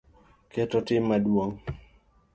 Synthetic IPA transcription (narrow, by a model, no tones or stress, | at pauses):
kɛtɔtɪmːadwoŋ